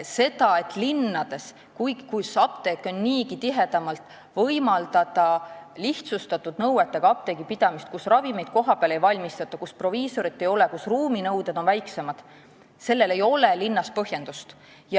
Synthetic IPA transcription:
se̞d̪̥ɑe̞t̪ːˑlinːɑd̪e̞s | kujɡikusɑp̚t̪e̞ːkːˑo̞nːiːɡit̪iɦe̞d̪̥ɑmɑlt̪ˑ | vɤjmɑld̪ɑd̪ɑliht̪sust̪ɑt̪ːˑud̪nɤwet̪ːˑeɡ̥ɑɑp̚t̪e̞ɡ̥ipid̪̥ɑmist̪̚kusrɑvime̞jd̪̚ko̞ɦɑpeɑle̞jvɑlʲmist̪ɑt̪ːˑɑkuspro̞viːso̞ɾit̪ːe̞jo̞lekusruːminɤwd̪e̞d̪̥o̞nvæjkse̞mɑd̪̥ | se̞lːe̞le̞jo̞le̞linːɑspɤɦje̞nd̪ust̪ | jɑ

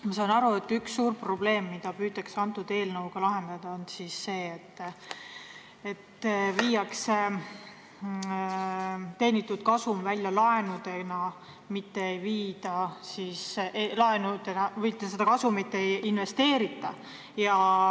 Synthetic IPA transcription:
mɑs̬ɑːnɑɾue̞t̪ːyksːuːrpro̞b̥le̞ːmːid̪̥ɑpyːt̪ːˑeksɑnt̪ːˑud̪̥e̞ːlnɤwɡ̥ɑlɑɦe̞nd̪̥ɑd̪̥ɑonsisːe̞ːt̪ː | et̪ːviːjɑkse | t̪e̞ːnit̪ːˑud̪̥̚kɑsumvælʲjɑlɑe̞nud̪̥e̞nɑ | mit̪ːe̞ejviːd̪̥ɑsisʔelɑenud̪̥e̞nɑvijt̪ːˑesed̪ɑkɑsumit̪ːeejinve̞st̪e̞ːɾit̪ːˑɑ | jɑ

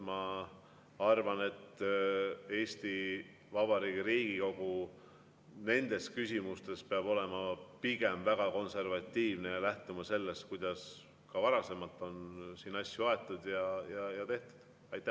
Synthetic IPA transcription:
mɑ | ɑrvɑne̞t̪ː | e̞ːsʲt̪i | vɑb̥ɑɾiːɡiɾiːɡ̥iko̞ɡ̥u | ne̞nd̪̥e̞skysʲimust̪e̞speɑbo̞le̞mɑpiɡ̥e̞mvæɡ̥ɑko̞nse̞rvɑt̪ʲːiːvnejɑlæht̪umɑse̞lːest̪kujd̪ɑs | kɑvɑɾɑse̞mɑlt̪ːˑo̞nsiːnɑsːjuɑe̞t̪ˑːud̪jɑjɑjɑt̪eht̪u̥d̪̥ | ɑjt̪ːˑæ

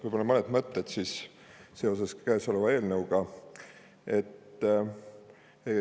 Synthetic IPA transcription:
vujbolɑmɤned̪mɤt̪ːet̪sis | se̞o̞s̬e̞skæːso̞levɑe̞ːlnɤwɡ̥ɑ | e̞t̪ː | e

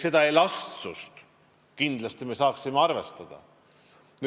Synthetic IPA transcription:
se̞d̪̥ɑelɑst̪sust̪ | kind̪lɑst̪ime̞sɑːksimeɑrve̞st̪ɑd̪̥ɑ̰ | n

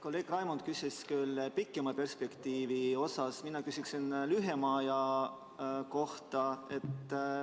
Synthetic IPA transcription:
ko̞lːe̞ːɡ̥rɑjmond̪̚kysʲeskylːpikːˑemɑpe̞rspe̞kt̪iːvio̞sɑsminɑkysiksinlyɦemɑːjɑ | ko̞ht̪ɑe̞t̪ːˑ

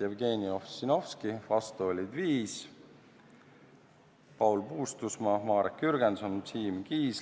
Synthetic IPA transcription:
evɡeːniofsino̞fskivɑst̪uolʲid̪viːs | pɑwlpuːst̪usmɑmɑːɾekːyɾɡ̥ensont̪siːmkiːs

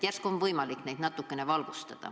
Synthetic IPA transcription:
t̪jærskuonvɤjmɑliknejd̪nɑt̪ːˑukːene̞vɑlɡ̥ust̪ɑd̪̥ɑ̰

